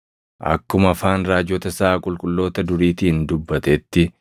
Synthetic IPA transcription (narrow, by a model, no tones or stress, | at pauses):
ʔɐ̰kːʊmɐfaːnɾaːd͡ʒːɔt̪ɐsaːkʼʊlkʼʊlːo̞ːt̪ɐd̪ʊɾiːt̪iːnd̪ʊbːɐt̪ɛt̪ːɪ